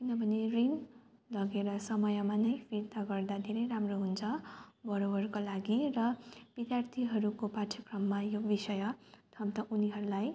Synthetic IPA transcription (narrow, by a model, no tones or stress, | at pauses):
kinʌbʱʌnerin | lʌɡeɾʌsʌmʌjʌmanʌjpʰiɾt̪aɡʌrd̪ad̪ʱeɾʌjɾamroɦunt͡sʰʌbʌɾobʌrkolaɡirʌb̥id̪jart̪ʰiɦʌɾukopaʈʰʌkrʌmːajobisʌjʌt̪ʰʌbt̪ʌʔuniɦʌɾulaj